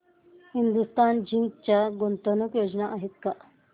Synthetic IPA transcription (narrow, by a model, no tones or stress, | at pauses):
hind̪ust̪and͡ʑiŋkt͡ɕjaɡont̪ənukjod͡ʑnaʔaɦet̪̚ka